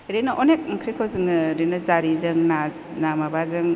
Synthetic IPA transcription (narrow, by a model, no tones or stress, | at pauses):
ɾenɯʔonek̚kʰɾikʰawzɯŋɯɾenɯzaɾizɯŋna | namabazɯŋ